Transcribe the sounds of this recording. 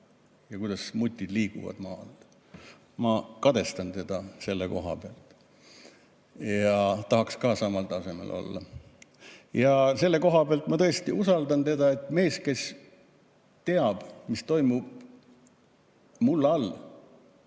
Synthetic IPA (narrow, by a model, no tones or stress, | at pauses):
jɑkujd̪̥ɑsmut̪ʲːˑid̪liːɡṵvɑ̰d̪mɑːl | mɑkɑd̪e̞st̪ɑnt̪e̞d̪̥ɑse̞lːḛko̞̰ɦɑ̰b̥eɑlt̪ːˑ | jjɑt̪ɑɦɑkskɑːsɑmɑlt̪ɑse̞me̞̰lʔo̞̰lːɑ̰ | jɑse̞lːe̞ko̞ɦɑb̥eɑlt̪mɑt̪ɤe̞st̪iusɑld̪ɑnt̪e̞d̪ɑe̞t̪ːˑme̞ːske̞s | t̪e̞ɑb̥mist̪o̞jmub̥̚ | mulːɑlː